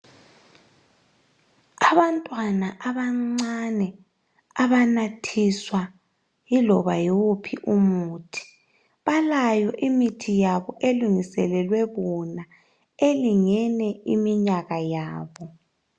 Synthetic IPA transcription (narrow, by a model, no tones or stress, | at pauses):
aβantʼwanaʔaβaŋ͡ǀanɛ | aβanatʰiswa | jilɔβajowupʰiʔumuːtʰi̥ | βalajɔʔimitʰijaβɔʔeluŋisɛlɛlwɛβɔna | eliŋɛnɛimiɲaɣajaːβɔ